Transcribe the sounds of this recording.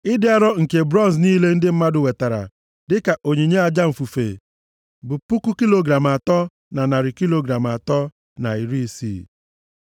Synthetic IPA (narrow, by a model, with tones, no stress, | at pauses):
ɪ˦dɪ˦a˦ɾɔ˦ŋ̩˨ke˨bɾɔ˦n˨s̬niː˦le˦n̩˦dɪ˦m̩˦ma˦dʊ˨we˨ta˨ɾa̰˨ | dɪ˦ka˨ʔo˨ɲe˨ɲe˦a˨d͡ʒa˦m̩˨fu˨fḛ˨ | bʊ˨pu˦ku˦ki˦lo˦ɡɾa˨m˨a˨tɔ˦ | na˨na˨ɾɪ˨ki˦lo˨ɡɾa˨m˨a˨tɔ˦ | na˨i˨ɾi˦sḭ˦˨